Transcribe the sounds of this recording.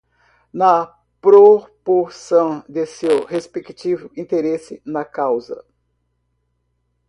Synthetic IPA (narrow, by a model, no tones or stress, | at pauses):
nɐ | pɾopoɾsɐ̃w̃d̪esewhespekt͡ʃivʊĩnt̪eɾesɪnɐkawzɐ̰